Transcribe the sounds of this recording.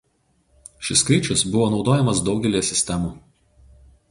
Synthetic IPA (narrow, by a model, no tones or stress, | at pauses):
ʃʲɪskɐɪt͡ʃʲʊsbʊʋoːnɒʊd̪oːjɛmɐs̬d̪ɒʊɡʲɛlʲijɛsʲɪsʲt̪ʲɛmuː